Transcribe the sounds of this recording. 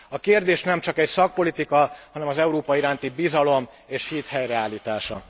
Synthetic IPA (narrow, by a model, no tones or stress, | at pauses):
ɒkeːrd̪eːʃnɛmt͡ʃɒkɛcsɒk̚po̞lit̪ikɒhɒnɛmɒzɛuɾoːpɒiɾaːnt̪ibizɒlo̞m | eːʃhiːt̪hɛjrɛaːliːt̪aːʃɒ̰